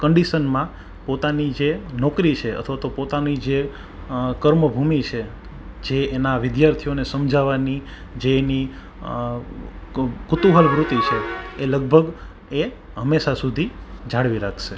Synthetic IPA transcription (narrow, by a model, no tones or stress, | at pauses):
kəɳɖiʃənmã | pot̪anid͡ʒenɔkɾit͡ʃʰeə̰t̪ʰʋat̪opot̪anid͡ʒe | kəɾməbʱumit͡ʃʰe | d͡ʒeːnaʋɪd̪jaɾt̪ʰijonesəmd͡ʒʱaʋani | d͡ʒeni | kʊt̪uɦəlʋɾut̪it͡ʃʰeːləɡ̚bʱəɡ | e | ɦəmːeʃasud̪ʱid͡ʒʱaɽʋiɾakʰʃe